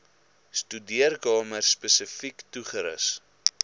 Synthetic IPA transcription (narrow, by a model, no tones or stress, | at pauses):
stydiərkɑːmərspəsəfiktuχəɾə̰s